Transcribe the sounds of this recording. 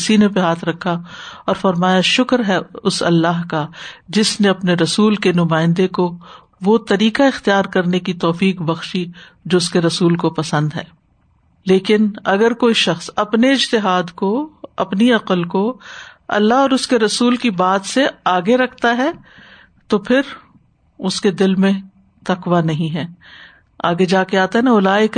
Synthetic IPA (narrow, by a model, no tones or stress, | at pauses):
sinepeɦaːt̪ʰɾɐkʰːaɔːɾfɐɾmaːjaʃʊkɾɦɛʊsɐ̰lːaːɦkad͡ʒɪsneɐpneɾɐsuːlkenʊmaːɪ̃nd̪eko | ʋot̪ɐɾiːkaɪxt̪ijaːɾkɐɾnekit̪ɔːfiːqbɐxʃi | d͡ʒoːʊskeɾɐsuːlkopɐsə̃nd̪ɦɛ̰ː | leːkɪnɐɡəɾkoːiʃɐxsɐpneɪd͡ʒt̪ɪɦaːd̪koɐ̰pniɐqəlkoɐ̰lːaɦɔːɾʊskeɾɐsuːlkibaːt̪seaːɡeɾɐkʰt̪aɦɛ | t̪opʰɪɾ | ʊsked̪ɪlmẽ | t̪ɐqʋanɐɦĩɦɛː | a̰ːɡed͡ʒaːkeaːt̪aɦɛnaʊlaːɪk